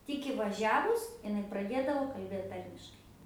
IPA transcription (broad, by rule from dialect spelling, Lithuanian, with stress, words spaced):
ˈtʲɪk iːʋɐˈʒʲæːʋʊs ɪˈnɐɪ prɐˈdʲeːdɐʋoː kɐlʲˈbʲeːt ˈtɐrʲmʲɪʃkɐɪ